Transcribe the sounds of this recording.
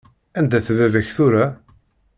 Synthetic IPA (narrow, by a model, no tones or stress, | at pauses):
ænd̪æθðæðəçθuɾa